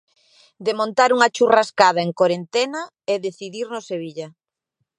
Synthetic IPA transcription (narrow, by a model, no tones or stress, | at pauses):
d̪emõnt̪aɾuŋat͡ʃuraskað̞ɐeŋkoɾent̪ɛnɐ | eðeθiðiɾnoseβ̞iʎɐ